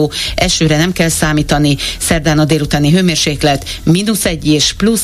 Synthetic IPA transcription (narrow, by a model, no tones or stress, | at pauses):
oːɛʃøːɾɛnɛmkɛlsaːmiːt̪ɒnisɛrd̪aːnɒd̪eːlut̪aːniɦøːmeːrʃeːklɛt̪ | minusɛɟːeːʃplus